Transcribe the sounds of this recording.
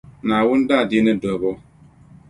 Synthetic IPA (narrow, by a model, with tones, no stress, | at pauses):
na˨wu˦nda˦˨di˦nɛ˦do˨bɔ˦